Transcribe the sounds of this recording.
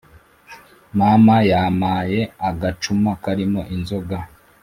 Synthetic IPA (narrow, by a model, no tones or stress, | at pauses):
mamajamaːje̞aɡat͡ʃumakaɾimo̞ʔinzo̞ɡa